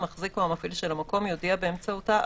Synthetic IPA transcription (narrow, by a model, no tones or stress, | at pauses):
maχzikuhamafilʃelamako̞mjo̞diabeemt͡sauta